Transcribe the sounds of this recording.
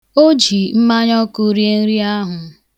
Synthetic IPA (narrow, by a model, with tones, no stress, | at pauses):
o˦d͡ʒi˨m̩˦ma˦ɲɔ˦ku˦ɾi˦e˦n̩˦ɾi˦a˦ɦʊ˨